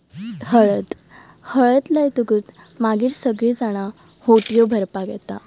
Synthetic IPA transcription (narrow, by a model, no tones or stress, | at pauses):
həɭət̪ | həɭət̪ləjt̪uɡuːt̪ | maɡiːɾsəɡɭiːd͡zaɽ̃a | hoʈijobʱəɾpaɡɛ̰t̪a